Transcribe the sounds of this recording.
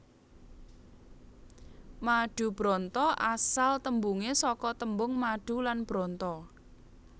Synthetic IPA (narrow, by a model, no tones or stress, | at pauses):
maɖ̥ṳb̥ɾɔnt̪ɔʔasalt̪əmbuŋesɔkɔt̪əmbʊŋmaɖ̥ṳlanb̥ɾɔnt̪ɔ